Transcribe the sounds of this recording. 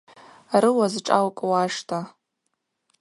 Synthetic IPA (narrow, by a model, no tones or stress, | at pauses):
arɨwazʈ͡ʂʼalkʼwaʂtʰa